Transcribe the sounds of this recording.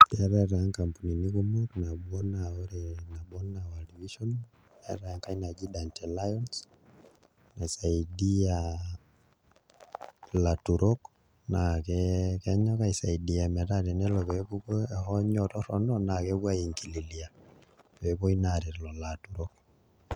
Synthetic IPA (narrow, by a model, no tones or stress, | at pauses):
ɛɾɛɾaaŋkampuninikumɔɾnaɓɔnaɔɾɛnaɓɔnawaliviʃɔn | ɛɾaaŋkainad͡ʒiɗantɛlajɔns | naisaiɗia | latuɾɔk | nakɛkɛɲakaisaiɗiamɛɾaɾɛnɛlɔkɛpukhɔɲɔtɔɾɔnɔnakɛkwaiŋkililia | pɛpɔinaɾiɾlɔlatuɾɔk